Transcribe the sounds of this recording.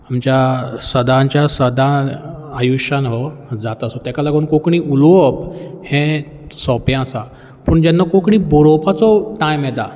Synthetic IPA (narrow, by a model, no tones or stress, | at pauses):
amt͡ɕjasəd̪ãɲt͡ɕjasəd̪ʱãajuɕanɦɔd͡zat̪asɔt̪jakalaɡonkokɳiːʔulɔphɛ̃ | sɔpjãsa | pəːɳd͡ʑɛnːakokɳiːbɔɾɔpat͡sɔʈãjmɛd̪a